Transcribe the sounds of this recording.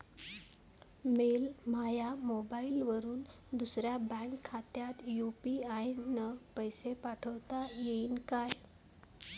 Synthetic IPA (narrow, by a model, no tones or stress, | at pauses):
melmajamobailʋəɾuːn | d̪usɾjabə̃ŋkʰːat̪jat̪jupiajnəpəjsepaʈʰəʋt̪ajeinkaj